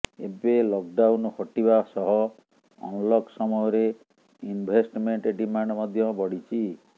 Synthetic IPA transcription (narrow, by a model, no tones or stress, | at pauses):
ḛbelɔk̚ɖawnhɔʈibasɔɦɔ | ɔ̰ŋlɔksɔmɔjɔɾe | inbʱesʈmeɳʈeɖimaɳɖɔmɔd̪ʱjɔbɔɽ̤it͡ʃʰi